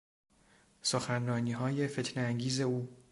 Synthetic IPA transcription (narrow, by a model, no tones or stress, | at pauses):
soxænrɒːniːɦɒːje̞fe̞t̪ʰneæŋɟiːze̞uː